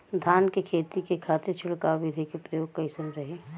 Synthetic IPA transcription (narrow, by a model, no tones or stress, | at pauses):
d̪ʱaːnkekʰeːt̪ikekʰaːt̪ɪɾt͡ʃʰʊɭkaʋɪd̪ʱikepɾɐjoːɡ̚kɐɪsənɾɐɦe